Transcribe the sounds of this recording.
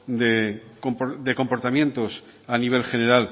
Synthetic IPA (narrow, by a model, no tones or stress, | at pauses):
d̪ekompod̪e̞ko̞mpo̞ɾt̪amjẽ̞nt̪o̞saniβ̞e̞lxe̞ne̞ɾal